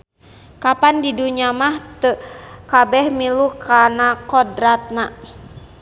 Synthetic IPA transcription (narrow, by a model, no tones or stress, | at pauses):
kapandiduɲamaht̪əkabɛhmilukanakɔdɾat̪̚na